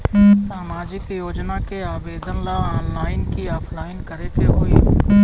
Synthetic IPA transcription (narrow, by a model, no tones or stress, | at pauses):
saːmaːd͡ʒɪkjoːd͡ʒnakeaːʋeːd̪ənlaɔːnlaːɪnkiɔːpʰlaːɪnkɐɾet̪ʰeɦoːḭ